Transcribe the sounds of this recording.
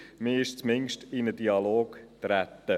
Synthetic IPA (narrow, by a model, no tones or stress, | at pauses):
mɪːɪʃt͡smɪŋʃtɪnədiɑloːɡt̪ɾæt̪ːə